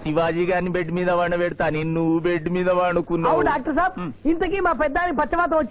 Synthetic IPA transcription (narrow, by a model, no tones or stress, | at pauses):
siʋaːd͡ʒiːɡaːɾnːibeɖːmiːd̪ɐʋaːɳɐʋeɽut̪aːnenːuubeɖːumiːd̪ɐʋaːɳukunːaːuɖaːk̚ʈɐɾsaːbint̪ɐkiːmaːpɛd̪ːaːnikipɐt͡ʃːɐʋaːt̪̬ɐ̃ɐt͡ʃː